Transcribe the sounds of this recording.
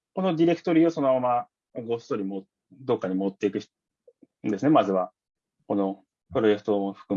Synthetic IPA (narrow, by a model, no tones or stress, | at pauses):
ko̞no̞d̪ʲiɾʲe̞kɯ̟̥t̪o̞ɾʲiːoso̞no̞mama | ɡo̞st̪o̞ːɾʲimo | d̪o̞kːaɲ̟imot̪ːe̞ikɯ̟ç̥ | nd̪e̞sɨne̞mazɨβa | ko̞no̞ | pɯ̟ɾo̞e̞kɯ̥t̪o̞ɸɯ̟̥kɯ